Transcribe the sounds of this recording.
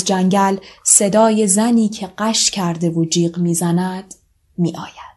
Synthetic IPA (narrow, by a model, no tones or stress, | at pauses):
d͡ʒæŋɟælse̞d̪ɒːje̞zæniːcʰe̞ɢæʃcʰæɾd̪e̞vod͡ʒiːɢmiːzænæd̪̥ | miːʔɒːjæd̪̥